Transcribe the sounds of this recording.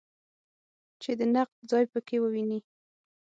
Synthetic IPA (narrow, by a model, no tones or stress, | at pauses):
t͡ʃed̪ənaq̚d̪zɑjpəkewəwini